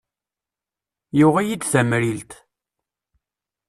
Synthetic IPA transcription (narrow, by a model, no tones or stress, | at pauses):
jʊʁæjid̪θæmɾilt̪